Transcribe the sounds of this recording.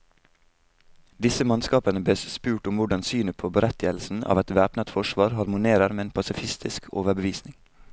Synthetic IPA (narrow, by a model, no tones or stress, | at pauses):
d̪ɪsəmɑnskɑːpənəbleːspʉːʈʊmʋʊɖɑnsyːnəpʰoːbəɾɛt̪ɪəlsn̩ʔɑ̰ːʋɛt̪ʋæːpnət̪fɔʃʋɑːɾɦɑɾmʊneːɾəɾmɛnpʰɑsɪfɪst̪ɪskʰoːʋəbəʋiːsnɪŋ